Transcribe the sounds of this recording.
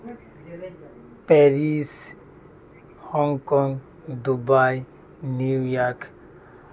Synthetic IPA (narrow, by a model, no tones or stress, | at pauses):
peɾis | hɔŋɡkɔŋɡ | d̪ubaj | niujaɾk